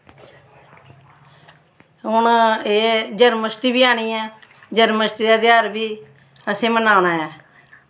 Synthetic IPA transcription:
ɦʊneːd͡ʒəɾməsʈiːbiːaːɳ̃iːɛː | d͡ʒəɾməsʈiaːd̪aaːɾbiː | əsẽːmənaːñaːɛː

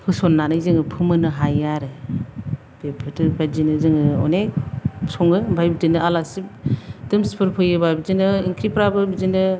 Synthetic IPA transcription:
hʰɯsɔnːanɯzɯŋɯpʰɯmɯnɯɦajaɾɯ | b̥epʰɯtɯbad͡ʒinɯzɯŋɯɔ̰nesɔŋɡɯbajbidɯnɯalasip̚d̥ɯmspʰɯɾpʰɯjɯbabizinɯiŋkʰɾipɾabɯbizinɯ

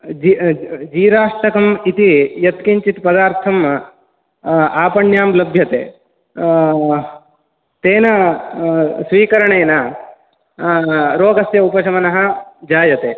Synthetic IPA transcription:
d͡ʒid͡ʒiːɾaːʂʈɐkɐmit̪ijɐt̪kiɲt͡ʃit̪pɐd̪aːɾt̪ʰɐm | aːpɐɳjaːmlɐbʱjɐt̪ḛː | t̪eːnɐ | sʋiːkɐɾɐɳeːnɐ | ɾoːɡɐsjɐupɐt͡ʃʰɐmɐnɐɦɐ̆d͡ʒaːjɐt̪eː

